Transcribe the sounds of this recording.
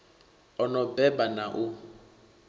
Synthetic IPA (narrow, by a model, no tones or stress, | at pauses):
ɔnɔbɛbanaʔʊ